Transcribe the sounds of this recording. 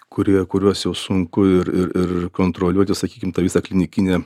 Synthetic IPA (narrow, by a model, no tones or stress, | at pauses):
kʊɾʲiɛkʊɾʲuɔsjɛʊsʊŋkʊɪɾɪɾɪɾkoːnt̪ɾoːlʲuɔt̪ʲɪsɐkʲiːkʲɪmt̪ɑːʋʲiːsɐklʲɪnʲɪkʲɪnʲeː